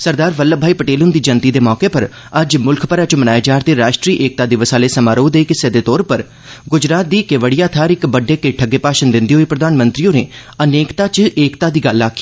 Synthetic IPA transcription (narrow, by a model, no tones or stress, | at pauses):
səɾd̪aːɾʋəlːəbʱaːiːpəʈeːlʊnd̪iːd͡ʒənt̪iːd̪eːmɔːkepəɾ | əd͡ʒmʊlkʰpəɾaːt͡ʃəmənaːeːd͡ʒaːɾd̪eːɾaːʃʈɾiːʔeːk̚t̪aːd̪eːʋəsaːleːsəmaːɾoːd̪eːkɪseːd̪eːt̪ɔːɾpəɾ | ɡʊd͡ʒɾaːt̪̚d̪iːkeʋəɽijaːt̪ʰaːɾɪkbəɖeːkɪʈʰəɡeːpaːʃənd̪ɪnd̪iɦoːiːpɾəd̪aːnmənt̪ɾiõːneː | əneːkt̪aːt͡ʃeːkt̪aːd̪iːɡəlːaːkʰːi̥ː